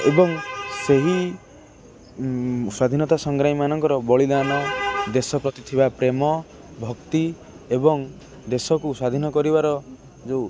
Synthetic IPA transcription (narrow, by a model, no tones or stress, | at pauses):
ebɔŋseɦi | swad̪ʱinɔt̪asɔŋɡɾaimanɔŋkɔɾɔbɔɭid̪anad̪esɔpɾɔt̪it̪ʰibapɾemɔ | bʱɔkt̪i | ebɔŋ | d̪esɔkusad̪ʱinɔkɔɾibaɾɔ | d͡ʒe